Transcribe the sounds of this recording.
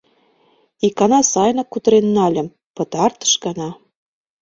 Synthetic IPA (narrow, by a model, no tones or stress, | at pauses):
ikɑnɑsɑjnɤkːut̪ɤ̆ɾenːɑlʲə̆m | pɤ̆t̪ɑrt̪ə̥ʃɡɑnɑ